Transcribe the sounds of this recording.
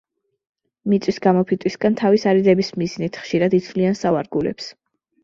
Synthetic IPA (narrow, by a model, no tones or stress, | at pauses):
mit̪sʼwisɡamɔpʰit̪ʼwisɡant̪ʰavisaɾid̪ɛbismiznit̪ʰχʃiɾad̪it̪sʰvliansavaɾɡulɛ̰ps